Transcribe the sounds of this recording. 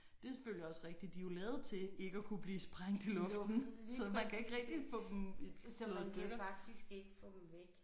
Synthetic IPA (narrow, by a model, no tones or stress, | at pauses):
d̥e̝føljəɒ̽sʁeɡ̥̚d̥id̥ːijolɛːð̞̩ˠt͡sʰe̝e̝ɡ̥əækʰub̥liːsb̥ʁaŋ̰d̥ilɔ̽fd̥nn̩sɒ̽mænkʰæe̝ɡ̥ʁɛɡ̥̚d̥i̥fɔ̰̽ːd̥emsɔsd̥øɡ̥ɐɑɡ̥̚d̥isɡ̥eɡ̥əfɔd̥mʋeɡ̥